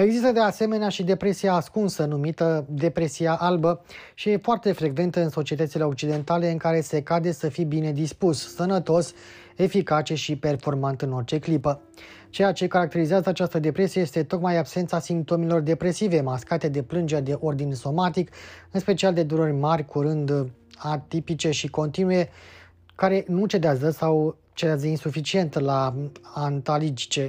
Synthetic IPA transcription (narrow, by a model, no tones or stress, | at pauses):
e̞ɡzist̪əd̪e̞ase̞me̞neaʃid̪e̞pɾe̞siaːskunsənumit̪əd̪e̞pɾe̞siaʔalbə | ʃije̞foart̪e̞fɾe̞ɡve̞nt̪əɨnso̞t͡ʃie̞t̪ət̪sile̞o̞k̚t͡ʃid̪e̞nt̪ale̞ɨŋkaɾe̞se̞kad̪e̞səfibine̞d̪ispussənət̪o̞s | e̞fikat͡ʃe̞ʃipe̞rfo̞rmant̪ɨno̞rt͡ʃe̞klipə | t͡ʃejat͡ʃe̞kaɾak̚t̪e̞ɾizeazəat͡ʃast̪əd̪e̞pɾe̞sijeje̞st̪e̞t̪o̞kmajabse̞nt̪sasimp̚t̪o̞melo̞rd̪e̞pɾe̞sive̞maskat̪e̞d̪e̞plɨnd͡ʒeɾed̪e̞ʔo̞rd̪inso̞mat̪ikɨnspe̞t͡ʃiald̪e̞d̪uɾorʲmarʲkʰuɾɨnd̪ | at̪ipit͡ʃe̞ʃiko̞nt̪inuje̞ | kaɾe̞nut͡ʃe̞d̪eazəsaw | t͡ʃe̞d̪eazəinsufit͡ʃie̞nt̪laant̪alid͡ʒi̥t͡ʃe̞